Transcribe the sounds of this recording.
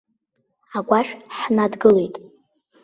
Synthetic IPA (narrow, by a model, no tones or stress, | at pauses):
aɡʷaʃᶣħnadɡɨle̞jtʼ